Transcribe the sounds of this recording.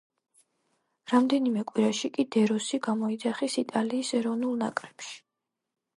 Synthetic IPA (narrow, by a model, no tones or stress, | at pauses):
ɾamd̪ɛnimɛkʼwiɾaʃikʼid̪ɛɾɔsiɡamɔid̪zaχisit̪ʼaliːsɛɾɔvnulˠna̰kʼɾɛpʃi̥